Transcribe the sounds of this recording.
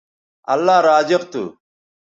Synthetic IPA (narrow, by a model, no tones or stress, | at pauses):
ɐ̰lːaːɾaːd͡ʑɪqt̪ṵ